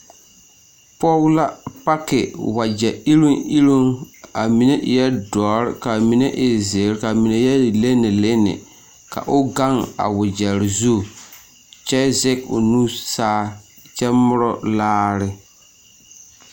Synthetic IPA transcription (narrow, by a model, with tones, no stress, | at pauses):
pɔ˦wla˦pa˦kɪ˨wa˨d͡ʒɛ˨i˦ɾu˦ŋi˦ɾu˦ŋa˨mi˨ne˦ʔɪ˨jɛ˦dɔː˨ɾɪ˦ka˨mi˨ne˦ʔɪ˨ze˨ɾka˨mi˨ne˨jɛ˦˨le˦nɪ˨le˦nɪ̰˨ | ka̰˨ʔʊ˦ɡa˦ŋa̰˨wʊ˨d͡ʒɛ˨ɾzu˦˨ | t͡ʃɛ˦zɛ˦kʊ̰˨nu˦saː˦ | t͡ʃɛ˦mʊ˦ɾɔ˦laː˦ɾɪ˦